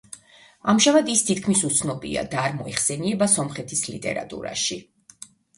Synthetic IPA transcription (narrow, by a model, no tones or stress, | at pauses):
amʒamad̪ist̪ʰit̪̚kʰmisut̪sʰnɔbḭa̰d̪aːɾmɔɛχsɛniɛbasɔmχɛt̪ʰislḭt̪ʼɛ̰ɾa̰t̪ʼṵɾa̰ʃi